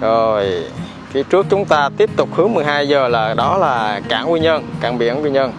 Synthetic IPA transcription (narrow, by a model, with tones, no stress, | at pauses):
zo˨˩j | ki˨˦t͡ɕɨ˦˥ək̚t͡ɕʊ˨˦ŋ͡mt̪aː˧t̪i˦˥əp̚t̪ʊ˨˩k͡p̚hɨ˨˦əŋmɨ˨˩əjhaː˧jzəː˨˩laː˨˩ɗɔ˨˦laː˨˩ka̰ː˧˩ŋwi˧ɲə˧nka̰ː˧˩ŋɓḭ˧˩˨ənwi˧ɲə˧n